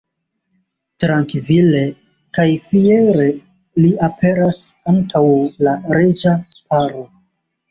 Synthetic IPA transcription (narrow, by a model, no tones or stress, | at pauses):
tɾaŋkvile̞ | kajfieɾe̞ | liapʰe̞ɾasantʰawlaɾed͡ʒa | paɾo